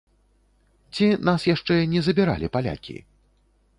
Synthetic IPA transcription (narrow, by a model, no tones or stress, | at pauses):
t͡sʲinasjaʂt͡ʂɛnʲɛzɐbʲiɾa̰lʲipalʲa̰kʲḭ